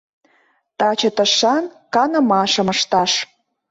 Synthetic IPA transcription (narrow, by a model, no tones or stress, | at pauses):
t̪ɑt͡ɕət̪əʃɑnkɑnə̆mɑʃə̆məʃt̪ɑʃ